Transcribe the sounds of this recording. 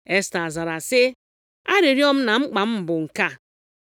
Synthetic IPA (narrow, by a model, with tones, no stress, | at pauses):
e˦sta˨za˨ɾa˨sɪ˦ | a˦ɾi˨ɾjɔ˦m̩˦na˨ŋ͡m̩˦k͡pa˨m̩˦m̩˨bʊ˨ŋ̩˨ka˦˨